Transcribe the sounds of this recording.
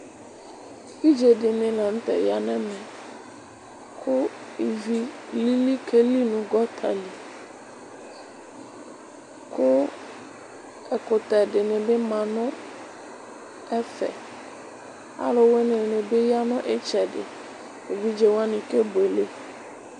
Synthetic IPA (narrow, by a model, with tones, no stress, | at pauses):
i˦d͡ʒe˨dɪ˨nɪ̃˨la˨n̩˦t̪ɛ̰˨ja˦nɛ̃˦mɛ̃˨ | kʰʊ˦i˨vi˦li˦li˦kʰe˦li˦nũ˨ɡɔ˦t̪ʰa̰˨li˨ | kʰʊ˦ | ɛ˨kʊ˨t̪ɛ˨ɖɪ˨nẽ˨be˦mã˨nɔ̃˦ | ɛ˦fɛ̰˨ | a̰˦lo˦we˦nẽ˨nẽ˨be˦ja˦nɔ̃˦ʔe˦t͡ʃɛ˨dɪ̰˨ | e˨vi˦d͡ʒe˨wa˦nĩ˨ke˦be˨le˦